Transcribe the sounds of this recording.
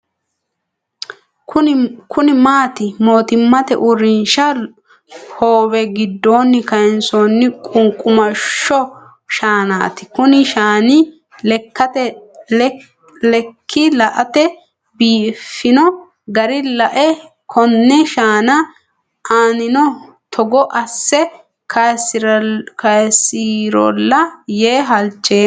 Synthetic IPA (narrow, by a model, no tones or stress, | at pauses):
ʊkʰʊnɪmaːt̪ɪmo̞ːt̪ɪmːɐt̪ɛ̰ʔʊɾɪnʃɐ | hoːwɛɡɪd̪ːo̞ːnːɪkɐɪnsoːnːɪkʼʊŋkʼːʊmɐʃːɔ | ʃaːnaːt̪ɪ̥kʊnɪʃaːnɪ | lɛkːɐt̪ɛ | lɛkʰːɪlɐʔɐt̪ɛ | biːfːɪnɔ | ɡɐɾɪlɐʔɛ | kʰɔnːɛʃaːnɐ | ʔaːnɪnɔ | t̪ʰɔɡɔʔɐsːɛ | kʰɐskɐjsːiːɾɔ̰lːɐjeːɦɐlt͡ʃʼːeː